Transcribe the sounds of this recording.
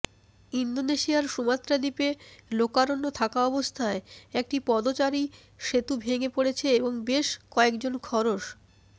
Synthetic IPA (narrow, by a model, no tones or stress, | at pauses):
ind̪oneʃiaɾʃumat̪ːɾad̪ipelokaɾonːot̪ʰakaɔbost̪ʰaeek̚ʈipɔd̪ot͡ɕaɾi | ʃet̪ubʱeŋepoɽet͡ɕʰeeboŋbeʃkɔekd͡ʑonkʰɔɾoʃ